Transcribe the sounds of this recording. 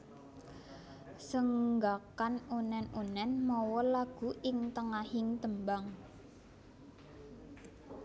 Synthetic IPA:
səŋɡakanunɛnunɛnmɔwɔlaɡ̥ṳʔɪŋt̪əŋahɪŋt̪əmbaŋ

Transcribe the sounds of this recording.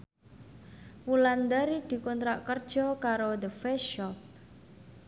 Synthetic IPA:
wuland̪aɾid̪̥i̤kɔnt̪ɾaʔkərd̥ʒ̥ɔ̤kaɾod̪əfɛʃɔp̚

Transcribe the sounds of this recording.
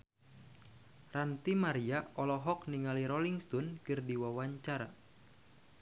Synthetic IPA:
rant̪imaɾiaʔɔlɔɦɔk̚niŋaliɾɔliŋst̪ɔnkɨrdiwawaɲt͡ʃaɾa̰

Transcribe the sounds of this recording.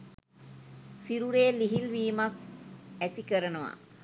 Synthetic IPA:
siɾuɾeːliɦilʋiːmɐk̚æt̪ikəɾənəʋa̰

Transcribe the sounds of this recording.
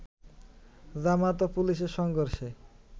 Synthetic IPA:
zamat̪opuliʃ̬eɾʃɔŋɡoɾʃe

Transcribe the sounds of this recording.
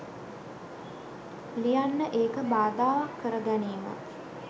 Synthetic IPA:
lijanːəʔeːkəbaːd̪aːʋakːəɾəɡæneːmə̰

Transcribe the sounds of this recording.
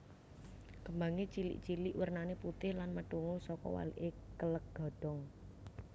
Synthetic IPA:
kəmbaŋet͡ʃilḭʔt͡ʃilɪʔwərnaneput̪ɪhlanməʈ̪uŋʊsɔkɔ̰wa̰lḭʔekələk̚ɡ̥ɔ̤ɖ̥ɔ̤ŋ

